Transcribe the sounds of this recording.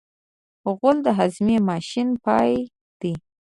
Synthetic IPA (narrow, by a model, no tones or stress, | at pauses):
ɣʊld̪əɦazmemɑʃinpɑj | d̪̥i